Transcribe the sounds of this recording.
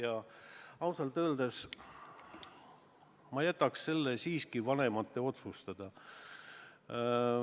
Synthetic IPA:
jɑɑwsɑlt̪øːld̪es | mɑjæt̪ːˑɑksse̞lːesiːskivɑne̞mɑt̪ːe̞o̞t̪sust̪ɑd̪̥ɑ

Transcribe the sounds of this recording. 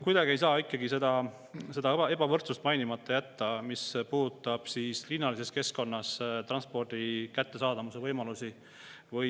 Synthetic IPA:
kujd̪ɑɡie̞jsɑːikːˑɑɡise̞d̪̥ɑ | se̞d̪ɑe̞bɑvɤrt̪sust̪mɑjnimɑt̪ˑːɑjæt̪ːɑmispuːd̪ut̪ːˑɑb̥siːslinːɑlise̞ske̞sko̞nːɑst̪rɑnspo̞rd̪̥ikæt̪ːe̞sɑːd̪ɑmuse̞vɤjmɑlusi | vɤj

